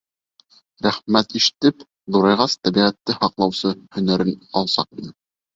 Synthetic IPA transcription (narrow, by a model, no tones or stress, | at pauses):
ɾæχmæt̪iʃɘ̥̆t̪ɘp | ðuɾɑjʁɑst̪æbiʁæt̪ːɘhɑqlˠɑwsɤhɵ̆næɾɘnɑlˠsɑq̚nɤ